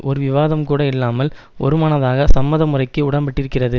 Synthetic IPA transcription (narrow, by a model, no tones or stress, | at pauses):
ʔɔɾɯʋɪʋaːðɐmkuːɽɐɪlːaːmɐl | ʔɔ̰ɾɯmaɳɐðaːɣɐsɐmːɐðɐmɯrɐɪkːɯʊɽɐmbɐʈːɪɾɯkːɪrɐðɯ